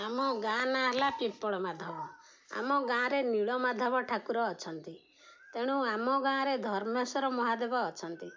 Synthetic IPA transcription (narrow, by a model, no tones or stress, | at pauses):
amɔɡãnaɦlapĩpːɔɭɔmad̪ʱɔbɔ | a̰mɔɡãɾeniɭɔmad̪ʱɔbɔʈʰakuɾɔːt͡ʃʰɔnt̪i | t̪eɽ̃ũamɔɡãɾed̪ʱɔɾmɔsɔɾɔmɔɦad̪ebɔːt͡ʃʰɔnt̪i